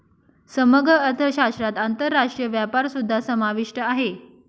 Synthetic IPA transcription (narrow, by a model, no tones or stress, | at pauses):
səməɡɾəːɾt̪ʰəɕaʂʈɾat̪ant̪əɾːaʂʈɾijəʋjapaɾsud̪ʱːasəmaʋiʂʈəaɦe